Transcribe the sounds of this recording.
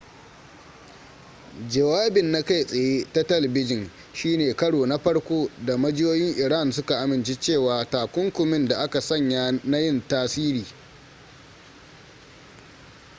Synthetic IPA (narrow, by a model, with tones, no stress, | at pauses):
d͡ʒɐ˨waː˦bɪ˨nːa˦ka˦˨jsʼɐ˨jeː˦ta˦tɐ˦lɐ˨bɪ˦d͡ʒɪ˨n | ʃiː˦neː˨kɐ˦ɽoː˨na˦ɸɐ˦ɽkʷoː˦da˨mɐ˦d͡ʒɪ˦joː˦jɪ˦ŋʔɪ˨ɽa˦˨nsʊ˦ka˨ʔa˨mɪ˨nt͡ʃe˦t͡ʃeː˦˨waː˨taː˨kʷʊ˦ŋkʷʊ˨mɪ˦nda˨ʔa˦ka˨sɐ˦˨ɲja˦na˦jɪ˦ntaː˦siː˦ɾiː˨